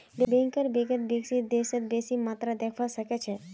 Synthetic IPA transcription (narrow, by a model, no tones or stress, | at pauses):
lebẽːŋkəɾbeɡət̪̚beksit̪̚d̪eːsət̪̚beːsimaːt̪ɾad̪ekʰʋasɐkɛt͡ʃʰɛ